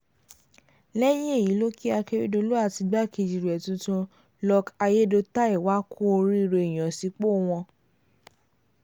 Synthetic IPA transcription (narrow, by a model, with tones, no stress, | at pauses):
lɛ˦j̃ĩ˦e˦˨ji˨˦lo˦ki˦a˧ke˦ɾi˦do˧˦lo˦a˦˨ti˧ɡ͡ba˦ke˧˨d͡ʒi˨ɾɛ˨tũ˧˦tũ˧ | lɔ˧ka˧je˦do˧ta˦i˦˨wa˦kʰu˦o˧ɾi˦˧ɾe˧i˨j̃ɔ̃˨si˨˦k͡po˦w̃ɔ̃˧